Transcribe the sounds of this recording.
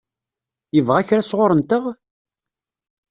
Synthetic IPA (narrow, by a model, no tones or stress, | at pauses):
jəvʁæçɾæsʁoɾənt̪əʁ